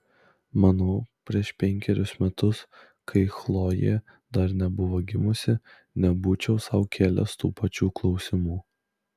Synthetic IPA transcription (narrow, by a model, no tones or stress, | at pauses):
mɑnoːpʲɾʲiɛʃpʲɛŋʲkʲɛɾʲʊsmʲɛt̪ʊs | kʰɐɪxlˠoːjḛː | d̪ɐɾnʲɛbʊʋoːɡʲɪmʊsʲɪ | nʲɛbuːt͡ʃʲɛʊsɐʊkʲʰæːlʲɛ̰st̪ṵːpɐt͡ʃʲuːklˠɒʊsʲɪmuː